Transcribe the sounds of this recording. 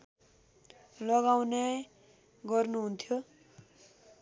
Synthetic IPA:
lʌɡawne | ɡʌrnuɦunt̪ʰjo

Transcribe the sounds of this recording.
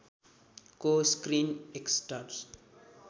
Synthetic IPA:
koskɾineksʈaɾs

